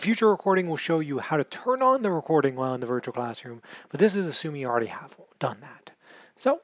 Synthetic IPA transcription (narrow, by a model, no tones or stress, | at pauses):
fjʉt͡ʃə˞ɹəkʰɔɹɾɪ̃ŋwəlˠʃoʊjɨhaʊɾɨtʰɜ̃˞nn̩ðɨɹɨkʰɔɹɾɪ̃ŋwɛɪlˠə̃nðɨvɜ˞t͡ʃul̩ˠkʰl̥æsɹʉ̃mb̥ʌt̪̚ðɪs̬ɨzɨsʉ̃mɪ̃ŋjɨl̩ˠɹɛɾiəv̥d̥ʌ̃nðæt | soʊ